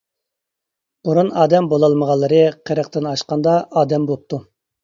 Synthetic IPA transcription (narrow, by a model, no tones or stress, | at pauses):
b̥uɾunɑːd̪ɛmbolˠɑlˠməʁɑlˠːɨɾɨqʰəɾəqt̪ɪnɑʃqɑnd̪ɑɑːd̪ɛmbolˠp̚t̪ʰu